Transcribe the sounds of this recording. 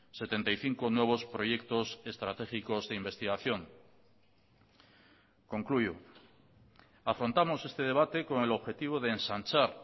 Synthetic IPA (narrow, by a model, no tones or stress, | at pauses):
se̞t̪e̞nt̪ajθiŋkonwe̞β̞o̞spɾo̞ʝe̞kt̪o̞se̞st̪ɾat̪e̞xiko̞zðeimbe̞st̪iɣaθjo̞ŋ | ko̞ŋkluʝo | afɾo̞nt̪amo̞se̞st̪e̞ð̞e̞β̞at̪e̞ko̞ŋe̞lo̞βxe̞t̪iβ̞o̞ð̞eːnsant͡ʃaɾ